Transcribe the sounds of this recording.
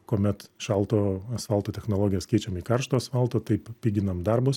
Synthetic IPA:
koːmʲɛt̪ʃɐlˠt̪oːɐsfɐlˠt̪oːt̪ʲɛxnoːlˠoːɡʲɪjɛskʲɛɪt͡ʃʲɛmiːkɐrʃt̪oːɐsfɐlˠt̪oːt̪ɐɪppʲiːɡʲɪnɐmd̪ɐrbʊs

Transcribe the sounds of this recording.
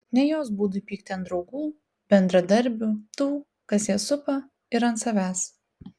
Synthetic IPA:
nʲɛjoːsbuːd̪ʊpʲiːk̚t̪ʲɪɐnd̪ɾɒʊɡuː | b̥ʲɛnd̪ɾɐd̪ɐɾʲˑbʲʊt̪uː | kɐsjiɛsʊpɐ | ɪɾɐnt̪sɐʋʲæːs

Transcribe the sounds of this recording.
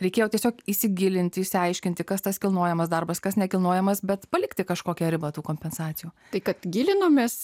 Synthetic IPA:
ɾʲɛɪkʲeːjɛːt̪ʲiɛsʲoːkisʲɪɡʲɪlʲɪnʲt̪ʲɪɪʃʲsʲɪɐɪʃʲkʲɪnʲt̪ʲɪkɐst̪ɐskʲɪlˠnuɔjɛmɐsd̪ɐrbɐskɐsnʲɛkʲɪlˠnuɔjɛmɐsbʲɛt̪pɐlʲɪkt̪ʲɪkɐʃkoːkʲɛɾʲɪbɐt̪uːkoːmʲpʲɛnsɑːt͡s̪ʲɪjuː | t̪ɐɪkɐt̪ɡʲɪlʲɪnoːmʲeːs

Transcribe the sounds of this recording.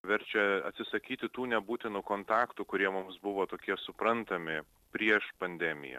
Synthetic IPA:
ʋʲɛɾʲt͡ʃʲɛɐ̰t̪sʲɪsɐkʲiːt̪ʲɪt̪uːnʲɛbuːt̪ʲɪnukoːnt̪ɑːkt̪uːkʊɾʲiɛmʊmsbʊʋoːt̪oːkʲiɛsʊpɾɐnt̪ɐmʲɪ | pʲɾʲiɛʃpɐnʲd̪ʲɛmʲɪ̰jɛ̰

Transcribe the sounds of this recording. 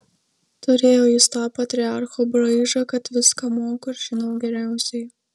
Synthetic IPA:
t̪ʊɾʲeːjoːjɪst̪ɑːpɐt̪ʲɾʲɪɑɾxobɾɐɪʒɐkɐt̪ʋʲɪskɐmoːkoɪɾʒʲɪnɐʊɡʲɛɾʲæˑʊsʲɛɪ

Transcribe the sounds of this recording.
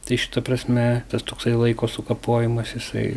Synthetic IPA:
t̪ɐɪʃʲɪ̥t̪ɐpɾɐsʲmʲɛt̪ɐst̪oːksɐɪlˠɐɪkoːsʊkɐpoːjɪmɐsjɪsɐ̰ɪ

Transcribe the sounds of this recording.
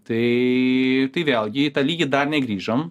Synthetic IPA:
t̪ɨ | t̪ɨʋʲɛlˠʲɡʲɪt̪ɐlʲiːɡʲɐd̪ɐrnʲɛɡɾʲiːʒɐm

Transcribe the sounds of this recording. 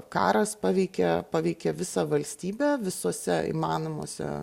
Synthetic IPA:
kɑ̰ːɾɐspɑːʋʲɛɪkʲɛpɑːʋʲɛɪkʲɛʋʲɪsɑʋɐlʲsʲt̪ʲiːbʲɛʋʲɪsoːsʲɛḭmɑːnomo̰ːsʲɛ̰

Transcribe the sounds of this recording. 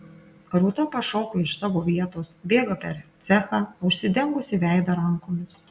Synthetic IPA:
ɾʊt̪ɐpɐʃɔʊkoɪʃsɑːʋoːʋʲiɛt̪oːsbʲeːɡɐpʲɛɾt̪sʲæːxɑʊʃʲsʲɪd̪ʲɛŋɡʊsʲɪʋʲæˑɪd̪ɐɾɐŋkoːmʲɪs

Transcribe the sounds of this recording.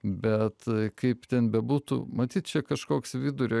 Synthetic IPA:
bʲɛt̪kɐɪpt̪ʲɛnbʲɛbuːt̪ṵmɐt̪ʲiːt̪̚t͡ʃʲɛkɐʃkoːksʋʲɪd̪ʊɾʲo

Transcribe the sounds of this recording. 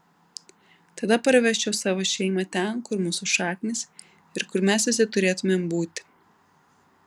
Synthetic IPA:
t̪ɐd̪ɐpɐɾʲʋʲɛʃʲt͡ʃʲɛʊsɑːʋoːʃʲɛɪmɐt̪ʲɛnkʊɾmuːsʊʃɑːkʲnʲɪs | ɪɾkʊɾmʲæsʋʲɪsʲɪt̪ʊɾʲeːt̪ʊmʲembuːt̪ʲ

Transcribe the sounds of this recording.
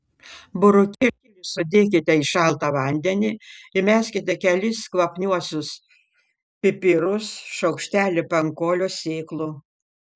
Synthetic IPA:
bʊɾʊkʲikʲiʋʲɪsʊd̪ʲeːk̬ʲɪt̪ʲɛɪʃɑlˠt̪ɑʋɐˑnʲd̪ʲɛnʲɪɪmʲæːsʲkʲɪt̪ʲɛkʲɛlʲɪskʋˠɐpʲnʲuɔsʲʊs | pʲɪpʲɪɾʊsʃɐʊkʃʲt̪ʲæːlʲɪpɐŋkoːlʲoːsʲeːklˠʊ

